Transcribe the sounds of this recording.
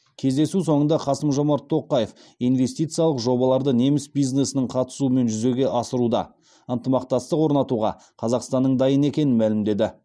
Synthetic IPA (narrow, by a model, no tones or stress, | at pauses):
kʲʰe̞zd̪e̞suso̞ɴənd̪ɑqʰɑsəmʒo̞mɑɾt̪ʰːo̞qːɑje̞fijnve̞st̪ijt̪sɨjɑlˠəqʒo̞bɑlˠɑɾd̪əne̞mɪsbijzne̞sɪnɪɴqʰɑt̪ə̥suəme̞nʒʏze̞ɡʲe̞ʔɑsəɾud̪ɑ̰ | ənt̪əmɑq̚t̪ɑst̪əqwo̞ɾnɑt̪uʁɑ̰ | qʰɑzɑqst̪ɑnːəɴd̪ɑjəne̞kʲe̞nɪnmælɪmd̪e̞d̪ɪ